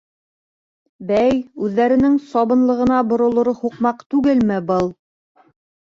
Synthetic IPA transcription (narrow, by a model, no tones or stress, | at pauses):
bæjʉðːæɾɘ̆nɘŋsɑβɤ̆nlˠɤ̆ʁɤ̆nɑbŏɾŏlˠŏɾɤhuqmɑqt̪ʉɡɘlmɘbɤlˠ